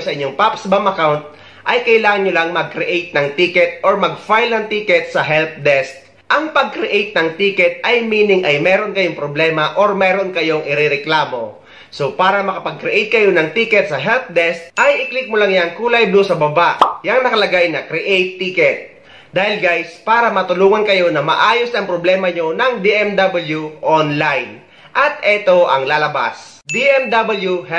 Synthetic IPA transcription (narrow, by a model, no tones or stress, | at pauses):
sɐʔɪɲːo̞ŋpapsbamɐkawnt̪̚ | ʔɐjkɐʔɪlaːŋɐnɲolaŋmɐɡ̚kɾɪʔejt̪̚nɐŋt̪iːkɛt̪̚ʔoɹmɐɡ̚fajlnɐŋt̪iːkɛt̪̚sɐɦɛlp̚d̪ɛst̪̚ | ʔɐŋpɐɡ̚kɾɪʔejt̪̚nɐŋt̪iːkɛt̪̚ʔɐjmiːnɪŋʔɐjmɛːɾonkɐjoŋpɾoblɛːmɐʔoɾmɛːɾonkɐjo̞ŋʔɪɾɪɾɛklaːmo̞ | so̞paːɾɐmɐkɐpɐɡ̚kɾɪʔɛjt̪̚kɐjo̞nɐŋt̪iːkɛt̪̚sɐɦɛlt̪̚d̪ɛst̪̚ʔɐjʔɪklɪk̚mʊlaŋjaŋkuːlajd̪osɐbɐbaʔjɐŋnɐkɐlɐɡajnɐkɾɪʔejt̪ːikɛt̪̚ | d̪aːhɪlɡajspaːɾɐmɐt̪ʊluːŋɐnkɐjo̞nɐmɐ̰ʔaːjo̞snɐŋpɾoblɛːmɐɲo̞nɐŋd̪iʔɛmd̪abɐljuʔonlajn | ʔɐt̪ɛt̪o̞ʔɐŋlaːlɐba̰s | d̪iʔɛmd̪abɐljuɦɛ